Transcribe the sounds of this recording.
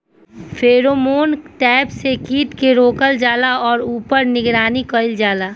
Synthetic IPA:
fʰeːɾomoːnʈɛːpsekiːʈ̪keɾoːkəld͡ʒaːlaɔːɾuːpəɾnɪɡɾaːnikəɪld͡ʒaːlaː

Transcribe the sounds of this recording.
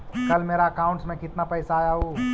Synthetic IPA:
kɐlmeːɾaɐkaːʊ̃ɳʈsmẽkɪt̪napɛɪsaːjaɦoː

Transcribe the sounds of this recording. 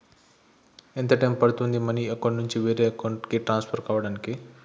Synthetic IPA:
ent̪ɐʈɐjmpɐɽt̪uɦũnd̪imɐniɐkɐɳnuɲt͡ʃiʋeɾeɐkɐwɳʈkeʈɾãːnspʰɐɾkaʋɐɽanke

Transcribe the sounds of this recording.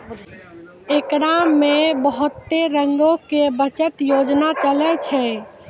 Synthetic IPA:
ekɾamebəɦʊt̪ːeɾəŋɡokebət͡ʃət̪jod͡ʒnat͡ʃəlɛt͡ʃʰɛ

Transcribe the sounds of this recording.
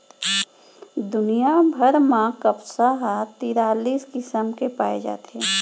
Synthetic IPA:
d̪ʊnijabʱəɾmãkəpsaɦat̪iːɾaːliːskɪsəmkepaːed͡ʒa̰ːt̪eɦeː

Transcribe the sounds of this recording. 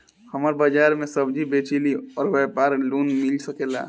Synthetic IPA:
hɐmaːɾbad͡ʒaːɾmẽsəbd͡ʒibeːt͡ʃiliɔːɾʋɛːpaːɾluːnmɪlsəkela̰ː

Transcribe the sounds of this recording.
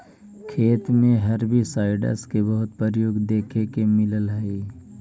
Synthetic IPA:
kʰeːt̪mẽɦɐɾbʱisaːɪɖə̰skebəɦʊt̪̚pəɾjoːɡd̪eːkʰekemɪləlɦɛi

